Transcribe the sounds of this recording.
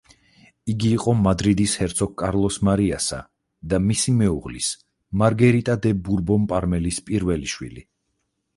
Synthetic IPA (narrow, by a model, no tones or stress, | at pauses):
iɡiːqʼɔmad̪ɾid̪ishɛɾt̪sʰɔk̚kʼaɾlˠɔsmaɾiasa̰ | d̪amisimɛuʁlis | maɾɡɛɾit̪ʼad̪ɛbuɾbɔmpʼaɾmɛlispʼiɾvɛliʃwḭli